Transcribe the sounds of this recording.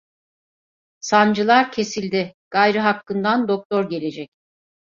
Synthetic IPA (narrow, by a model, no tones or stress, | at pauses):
sand͡ʒɯlˠaɾcʰe̞silʲd̪ɪɡ̥ajɾɯɦakːɯnd̪and̪o̞k̚t̪ʰo̞ɾɟe̞lʲe̞d͡ʒɛc̚